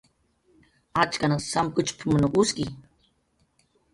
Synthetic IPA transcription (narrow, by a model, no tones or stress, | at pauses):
at͡ʃkanasamkʊt͡ʃpʰmənoʔuski